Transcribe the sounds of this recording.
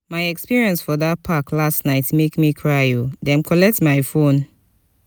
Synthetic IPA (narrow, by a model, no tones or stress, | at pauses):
majɛkspiɹiɛ̃nsfɔdat̚pʰaklastnaɪtmekmikʰɹaudɛ̃nkʰɔlɛk̚tmajfõn